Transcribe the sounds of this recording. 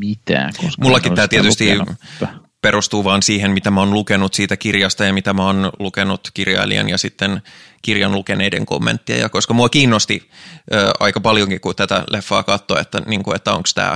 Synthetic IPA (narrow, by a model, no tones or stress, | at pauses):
it̪æ̰komulːɑkit̪æːt̪iet̪yst̪i | perust̪uːʋɑːnsiːhemmit̪æmæonlukenut̪siːt̪ækirjɑst̪ɑjɑmit̪æmæonlukenut̪kirjɑ̰ḭlḭḛnjɑsit̪ːenkirjɑnlukeneidḛŋko̰mːḛnt̪ːiɑ̰jɑ̰koskɑmuɑkiːnːost̪iøːʔɑ̰ikɑpɑljoŋkikut̪æt̪æ̰lʔefːɑ̰ːkɑt̪ːoḛt̪ːæniŋkuet̪ːæo̰ŋkst̪æ̰ː